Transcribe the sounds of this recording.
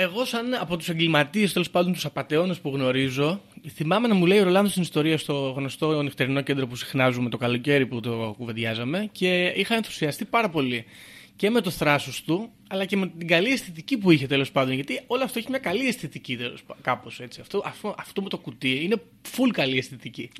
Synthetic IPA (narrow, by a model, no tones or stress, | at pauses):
e̞ɣo̞sɐnɐpo̞t̪u̥seŋɡlimɐt̪iest̪e̞lo̞spɐnd̪o̞nt̪usɐpɐt̪e̞o̞nespuɣno̞ɾizo̞θimɐme̞nɐmule̞ioɾo̞lɐnðost̪inist̪o̞ɾiɐst̪o̞ɣno̞st̪o̞nift̪eɾino̞ce̞nd̪ɾo̞pusi̥xnɐzume̞t̪o̞kɐlo̞ce̞ɾiput̪o̞kuve̞ðʝɐzɐme̞ce̞ixɐenθu̥siɐst̪ipɐɾɐpo̞li | ce̞me̞t̪oθɾɐsost̪u | ɐlɐce̞me̞t̪iɡɐliest̪it̪icipuiçe̞t̪e̞lo̞spɐnd̪onʝɐt̪io̞loɐft̪oeçimɲɐkɐliest̪it̪icit̪eloskɐpo̞se̞t͡siɐft̪oʔɐfoʔɐft̪o̞mut̪o̞kut̪iine̞ | fulkɐliest̪it̪ici